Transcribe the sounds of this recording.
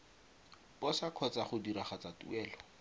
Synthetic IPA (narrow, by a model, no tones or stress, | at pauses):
pɔsakʰɔt͡saχʊdiɾaχat͡satṵɛːlɔ